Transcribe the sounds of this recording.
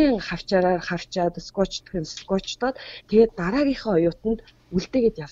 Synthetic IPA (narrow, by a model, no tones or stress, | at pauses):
iːŋχaw̥t͡ɕaːɾaːrχaw̥t͡ɕaːt̪skɔt͡ɕt̪ɵ̥̆xɘ̆nskɔt͡ɕt̪ɔːt̪t̪ʰeɣeːt̪ːaɾaːɣʲiːχə̆ŋɔjʊːt̪ə̆nt̪ | uɮt̪eːɣet̪jaw